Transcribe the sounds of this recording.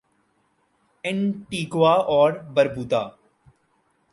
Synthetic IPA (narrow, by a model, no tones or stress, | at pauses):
ɪ̃nʈiːɡʋaːʔɔːɾbəɾbuːt̪aː